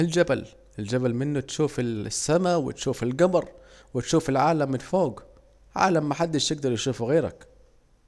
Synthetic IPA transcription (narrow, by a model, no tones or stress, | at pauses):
ɪld͡ʒabal | ɪld͡ʒabalmɪnːʊt̪ʃuːfɪsːamawɪ̰t̪ʃuːfɪlɡamɾˤwɪt̪ʃuːfɪlʕaːlamːɪnfoːɡ | ʕa̰ːlamːaħad̪ːaʃt̪ɪɡ̚d̪ɑɾˤjɪʃuːfɣeːɾa̰k